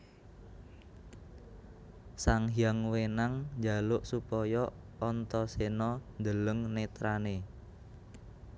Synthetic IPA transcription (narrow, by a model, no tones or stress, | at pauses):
saŋɦjaŋwenaŋɲd͡ʒa̤lʊʔsupɔjɔ | ɔnt̪ɔsenɔnd̪ələŋnet̪ɾane